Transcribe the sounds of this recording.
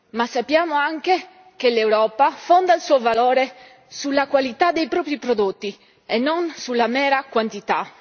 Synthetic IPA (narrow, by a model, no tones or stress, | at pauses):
masːapːjaːmoaŋk̟e | kelewɾɔːpafond̪ailsuːovalɔːɾe | sulːakwalit̪ad̪ːejpɾɔːpɾipɾod̪ot̪ːi | enːonsulːamɛːɾakwant̪it̪a̰